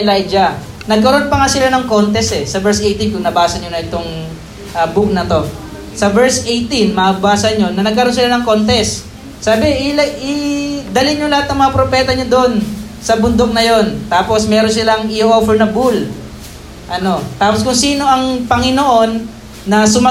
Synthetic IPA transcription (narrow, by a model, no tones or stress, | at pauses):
lajd͡ʒɐ | nɐɡ̚kɐɾo̞npɐŋasɪlanɐŋko̞nt̪ɛsʔɛsɐbɛɹsʔejt̪ɪnkʊŋnɐbaːsɐɲonɐʔɛt̪o̞ŋ | ʔɐbuk̚nɐt̪o̞ | sɐvɛɹsʔejt̪inmɐʔbaːsɐɲo̞nɐnɐɡkɐɾnsɪlanɐŋko̞nt̪ɛsː | aːbɪʔɪlʔɪd̪ɐlɪɲolɐhat̪̚nɐŋmɐŋapɾopɛːt̪ɐɲod̪oʔon | sɐbʊnd̪ok̚nɐjo̞nt̪aːpo̞smɛːɾons̬ɪlaŋʔɪʔofɛɹnɐbul | ʔɐno̞t̪aːposkʊŋsiːno̞ʔɐŋpɐŋɪnoʔo̞nː | ɐsʊm